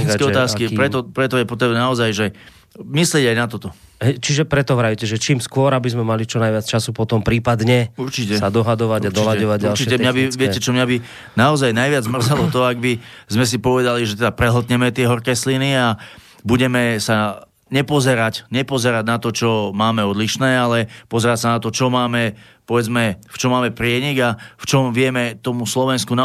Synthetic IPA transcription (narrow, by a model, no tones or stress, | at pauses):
ikɛɔt̪aːskipɾɛt̪ɔpɾɛt̪ɔjɛpɔt̪ɾɛbnɛnaɔzajʒɛ | mislɪɛɟajnat̪ɔt̪ɔ | ɦɛjt͡ʃiʒɛpɾɛt̪ɔʋɾajucɛʒɛt͡ʃiːmskʊɔɾabizmɛmalit͡ʃɔnajʋɪat͡st͡ʃasupɔt̪ɔmpɾiːpad̪ɲɛuɾt͡ʃicɛsad̪ɔɦad̪ɔʋaɟad̪ɔlaɔʋaɟɟaɾlt͡ʃicɛmɲabiʋɪɛcɛt͡ʃɔmɲabi | naɔzajnajʋɪad͡zmr̩zalɔt̪ɔaɡ̚bizmɛs̬ipɔʋɛd̪aliʒɛt̪ɛd̪apɾɛɦl̩t̪̬ɲɛmɛt̪ɪɛɦɔɾkɛːslinia | buɟɛmɛsa | ɲɛpɔzɛɾacɲɛpɔzɛɾaɟnat̪ɔt͡ʃɔmaːmɛɔd̪liʃnɛːalɛpɔzɛɾacsanat̪ɔt͡ʃɔmaːmɛ | pɔʋɛd͡zmɛft͡ʃɔmaːmɛpɾɪɛɲiɡaft͡ʃɔmʋɪɛmɛt̪ɔmuslɔʋɛnskuna